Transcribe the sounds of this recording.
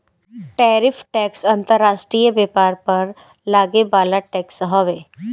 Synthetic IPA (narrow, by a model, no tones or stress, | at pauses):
ʈɛːɾɪfʰʈɛːksɐ̃nt̪əɾːaːʃʈɾijəbɛːpaːɾpɐɾ | laːɡebaːlaʈɛːksɦɔʋeː